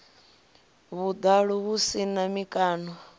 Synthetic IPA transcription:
βud̪aɺuβusinamikʼaːnɔ

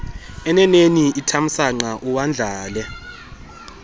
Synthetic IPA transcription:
ɛnɛneniʔitʰam̩saŋ͡ǃaʔuwand͡ɮʱaːlɛ

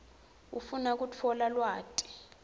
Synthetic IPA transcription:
ufunak̬ut͡fʰɔlalwaːtʼi̥

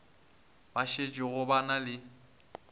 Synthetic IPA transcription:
baʃet͡ʃʼɪɣʊbanalɪ

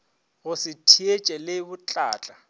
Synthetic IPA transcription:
ɣʊsɪtʰiet͡ʃʼɛlebʊt͡ɬʼaːt͡ɬʼa

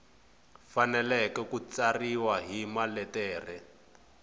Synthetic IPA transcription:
fanɛlɛkɛkut͡sariwaɦimalɛtɛːrɛ

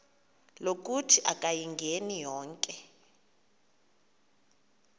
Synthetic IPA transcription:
lok̬ʼutʰiʔakʼajiŋɡʱenijɔːŋkʼɛ

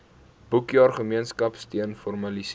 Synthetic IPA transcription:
b̥ukjɑːrχəmiənskɐpstiənfɔrmɐlis

